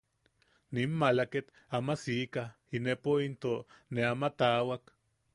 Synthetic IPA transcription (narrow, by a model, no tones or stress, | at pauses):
ninmalaket̪ | amasika | inepoint̪oneamat̪awak